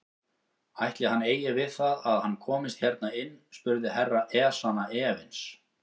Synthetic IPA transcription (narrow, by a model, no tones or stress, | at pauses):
ajht̪lɪhanːeːjɪvɪðθaðaðhanːkʰɔːmɪst̪hçɛɾt̪̚naɪnːspʏɾðɪhɛrːaʔɛːsanaɛːvɪns